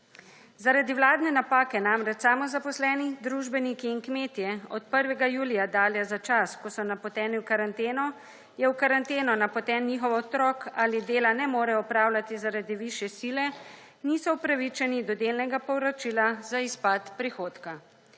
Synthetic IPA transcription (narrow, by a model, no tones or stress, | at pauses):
zaɾad̪iwlaːd̪nɛnapaːkɛnamɾɛt͡ʃsaːmɔzapɔslɛːnid̪ɾuʒbɛnikiːnkmeːt̪jɛɔt̪pəɾʋɛɡajuːlijad̪aːljazat͡ʃaskɔsɔnapɔt̪ɛːniwkaɾant̪eːnɔ | jɛwkaɾant̪eːnɔnapɔt̪ɛːnnixɔʋɔt̪ɾɔkalid̪eːlanɛmoːɾɛɔpɾaːwlʲat̪izaɾad̪iʋiʃjɛsilɛ | nisɔupɾaʋit͡ʃɛnid̪ɔd̪elnɛɡapɔwɾɔt͡ʃilazaispat̪pɾixoːt̪ka